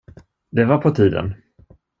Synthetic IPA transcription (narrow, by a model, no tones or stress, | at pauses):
d̪ɛvaɾpʰɔt̪ʰiːd̪ə̰n